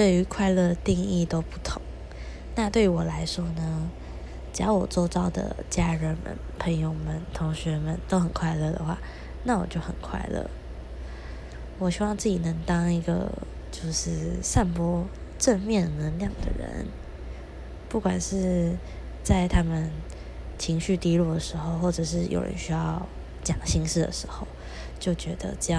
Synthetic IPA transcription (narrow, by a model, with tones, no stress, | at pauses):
t̪we˥˩ɪy˧˥kʰwa˥˧ɪlɤ˥˧˩t̪i˥˧ŋi˥˩t̪o˥ʊpu˥˩t̪ʰʊ˨˧˩ŋ | na˥˧t̪we˥˩ɪy˧˥wɔ˨˩la˧˥ɪʂwɔ˥nə˧ | ʈ͡ʂ̩˩jɑ˥ʊwɔ˨˩t͡swɔ˥˧t͡sɑ˥˩ʊd̪ə̰˩t͡ɕja˥ɻə˧˥nmə̰˨˩npʰə˧˥ŋjo˥˩ʊmə˨nt̪ʰʊ˧˥ŋɕɥɛ˧˥mə˨nt̪o˥ʊxə˨˩nkʰwa˥˧ɪlɤ˥˩d̪ə̰˩xwa̰˥˩ | na˥˩wɔ˨˩t͡ɕjo˥˩ʊxə̰˨˩nkʰwa̰˥˧ɪlɤ̰˥˩ | wɔ˨˩ɕi˥wɑ˥˧ŋt͡sɹ̩˥˩t͡ɕi˨˩nɤ˧˥ŋt̪ɑ˥ŋi˧˥ɡə̰˧ | t͡ɕjo˥˧ʊʂɻ̩˥˧ʂa˥˩npwɔ˥ | ʈ͡ʂə˥˧nmjɛ˥˩nnə˧˥ŋljɑ˥˩ŋd̪ə̰˨˩ɻə̰˧˦n | pu˥˩kwa˨˩nʂɻ̩˥˧ | t͡sa˥˩ɪt̪ʰa˥mə˨n | t͡ɕʰi˧˥ŋɕy˥˩t̪i˥lu˥˩d̪ə˩ʂɻ̩˧˥xo˥˧ʊxwɔ˥˩ʈ͡ʂɤ˨˩ʂɻ̩˥˩jʔo̰˨ʊɻə̰˧˦nɕy˥jɑ˥˩ʊ | t͡ɕjɑ˨˩ŋɕi˥ŋʂɻ̩˥˩d̪ə̰˨˩ʂɻ̩˧˥xo˥˧˩ʊ | t͡ɕjo˥˩ʊt͡ɕɥɛ˧˥d̪ə̰˧ʈ͡ʂə˥˧j